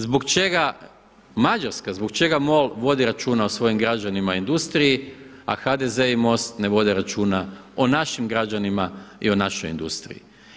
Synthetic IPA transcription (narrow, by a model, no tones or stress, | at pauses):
zbokt͡ʃeɡa | mad͡ʒaɾskazboɡt͡ʃe̞ɡamo̞lʋo̞d̪iɾat͡ʃuːnaosʋo̞jimɡɾad͡ʒanimaoind̪ust̪ɾiji | a̰xad̪eze̞imo̞st̪ne̞ʋo̞d̪eɾat͡ʃuːnaonaʃimɡɾad͡ʒanimaḭonaʃojḭnd̪ṵst̪ɾḭjḭ